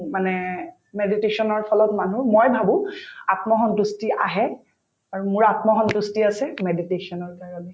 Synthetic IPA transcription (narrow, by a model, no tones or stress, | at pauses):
manɛ | meditesɔnɔɹpʰɔlɔtmanuɹmojbʱabʊ̃atmɔɦɔntustiaɦɛ | aɹumʊɹatmɔɦɔntustiasɛmeditesɔnɔɹkaɹɔnɛ